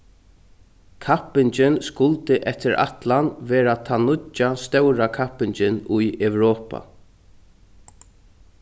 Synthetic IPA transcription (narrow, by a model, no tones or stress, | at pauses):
kʰapɪnt͡ʃɪnskʊlt̪ɪʔɛt̪ɪɾa̰t̪lanʋɛːɾat̪ʰanʊt͡ʃːast̪œwɾakʰapːɪɲt͡ʃɪnʊjɛwɾɔːpa̰